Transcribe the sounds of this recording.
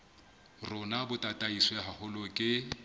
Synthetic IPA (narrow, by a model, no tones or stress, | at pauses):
rʊnabʊtʼatʼaiswɔaɦahʊlɔkʼɪ